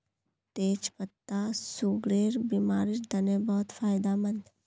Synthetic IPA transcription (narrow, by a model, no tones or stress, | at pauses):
t̪eːt͡ʃpət̪ːasʊɡɾeːɾbiːmaːɾɪʃd̪ɐnebɔːt̪fʰaːjd̪amənd̪